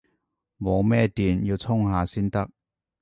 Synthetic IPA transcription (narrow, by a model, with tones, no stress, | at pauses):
mo˨˧wmɛː˥t̪iː˨˩njiː˧wt͡sʰʊ˥ŋɦaː˨˧siː˥nt̪ɐ˥k̚